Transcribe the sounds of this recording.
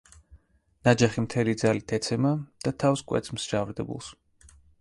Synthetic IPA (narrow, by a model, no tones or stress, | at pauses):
nad͡ʒaχimt̪ʰɛlid̪zalit̪ʰɛt̪sʰɛmad̪̥at̪ʰafskʼwɛ̰t̪sʰʼmsd͡ʒavɾd̪ɛbṵlˠs